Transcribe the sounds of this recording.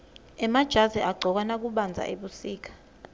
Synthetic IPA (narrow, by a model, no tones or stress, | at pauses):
ɛmad̥ʒ̥ʱazɛʔaɡ͡ǃʱɔk̬wanak̬uɓand͡zʱa̰ʔeɓusiːk̬ḁ